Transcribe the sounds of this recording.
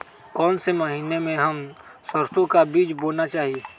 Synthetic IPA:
kɔːnsemɐɦiːnemẽɦɐm | səɾt̪õkabiːd͡ʒboːlnat͡ʃaːɦieː

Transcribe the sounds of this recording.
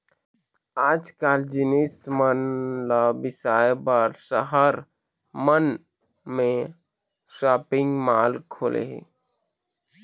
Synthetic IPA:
aːd͡ʒkaːld͡ʒɪnismənlabɪsaːjbəɾsəɦəɾ | mən | mẽ | ʃaːpɪ̃ŋɡmaːlkʰoːlʔḛɦḛ

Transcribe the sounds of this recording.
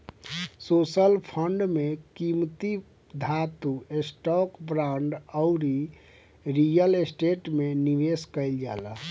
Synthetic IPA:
sosəlpʰəɳɖmekimt̪i | d̪ʱat̪uesʈɔkbɾãɳɖəʊɾi | ɾijəlesʈeʈmeniʋeskəɪld͡ʒa̰la

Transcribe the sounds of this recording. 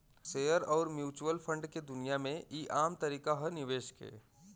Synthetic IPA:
seːəɾɔːɾmjuːt͡ʃuwəlpʰə̃ɳɖked̪ʊnijamẽiːʔaːmt̪əɾiːkaɦənɪʋeːʃkɦḛː

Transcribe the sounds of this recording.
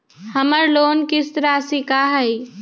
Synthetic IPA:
hɐməɾloːnkɪst̪əɾasikaːɦɐi

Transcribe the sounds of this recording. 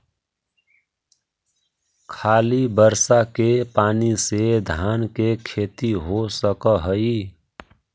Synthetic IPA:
kʰaːlibəɾsakepaːnised̪ʱaːnkekʰeːt̪iɦosəkəɦəi

